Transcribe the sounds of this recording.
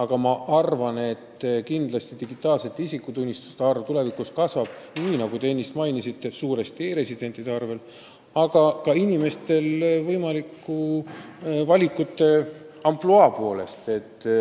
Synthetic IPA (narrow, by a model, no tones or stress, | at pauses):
ɑɡ̥ɑmɑʔɑrvɑne̞t̪ːkind̪lɑst̪id̪̥iɡit̪ːˑɑːlse̞t̪ːisikːˑut̪unʲːist̪u̥st̪ɑrvt̪ule̞vikuskɑsvɑb̥̚ | niːnɑɡ̥ut̪eenʲːist̪mɑjnisit̪ːe̞suːɾe̞st̪ieːɾe̞sid̪e̞nʲd̪̥id̪̥eɑrve̞l | ɑɡ̥ɑkɑinime̞st̪e̞lvɤjmɑlikːu | vɑlʲikːˑut̪ːe̞ | ɑmploɑpo̞le̞̰st̪e̞t̪ː